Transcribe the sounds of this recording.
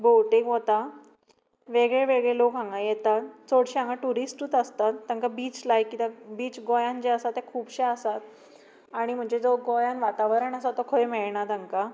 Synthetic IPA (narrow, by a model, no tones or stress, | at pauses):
bowʈẽŋɡɦot̪a | ʋeɡɭeʋeɡɭelokɦãŋɡajɛt̪at̪t͡soɽɕiãŋɡaʈuɾisʈut̪əst̪at̪ːãŋkabiːt͡slajkit̪abiːt͡sɡojãnd͡ʑeəsat̪jakʰuːbɕeəsat̪̚ | aɽ̃im̤əɳd͡ʑed͡zɔɡojãnʋat̪aʋɾəɳəsat̪ːɔkʰojmeɭɳat̪əŋka